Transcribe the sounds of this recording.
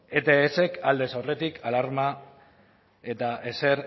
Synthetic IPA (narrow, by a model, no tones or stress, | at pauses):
et̪eːse̞kald̪e̞sawre̞t̪ikʰalaɾma | e̞t̪aʔese̞ɾ